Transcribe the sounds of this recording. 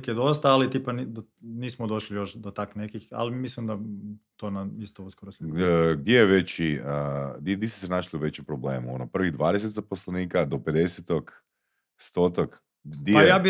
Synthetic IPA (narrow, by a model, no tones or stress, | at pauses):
kjed̪o̞st̪aːlit̪ipanid̪o | niːsmod̪o̞ʃlijoʃd̪ot̪aknekixa̰limislimd̪at̪onaist̪ouskoɾosʲeɡd̪jejeʋet͡ɕiəd̪t̪isu̥senaʃliuʋe̞t͡ɕempɾoble̞ːmuo̰nopr̩ʋiɣd̪ʋaːd̪es̬et̪zaposlˠeniːkad̪oped̪eset̪ok | st̪ot̪ok | d̪jejaːbi